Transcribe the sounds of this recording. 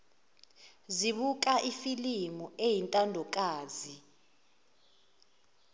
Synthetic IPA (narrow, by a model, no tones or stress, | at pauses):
ziɓuk̬ʼaʔifilimuejintʼandʱɔkʼaːzi